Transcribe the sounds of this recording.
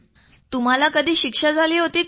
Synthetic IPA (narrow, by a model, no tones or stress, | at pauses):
t̪um̤alakəd̪ʱiːɕikʂad͡zʱaliːɦot̪iː